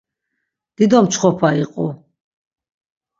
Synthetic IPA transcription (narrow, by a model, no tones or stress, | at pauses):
d̪̥id̪ɔmt͡ʃʰχɔpʰaiqʼɔ̰